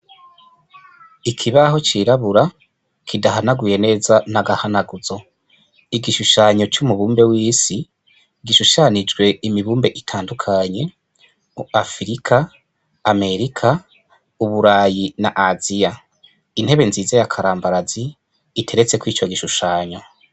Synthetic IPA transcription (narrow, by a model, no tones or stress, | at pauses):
ikʰiβaɦo̞t͡ʃiːɾaβuɾa | kʰidaɦanaɡuje̞ne̞ːzanaɡahanaɡuzo̞ | iɡiʃuʃaːɲo̞t͡ʃumuβuːmbe̞wiːsi | ɡiʃuʃanid͡ʒɡwe̞imiβuːmbe̞ʔitʰaːndukʰaɲe̞ | afɾikʰaː | me̞ɾikʰa | uβuɾaːjinaʔazija | in̥he̞βe̞nziːzejakʰaɾaːmbaɾaziː | tʰe̞ɾe̞t͡se̞kwiːt͡ʃo̞ɡiʃuʃaːɲo̞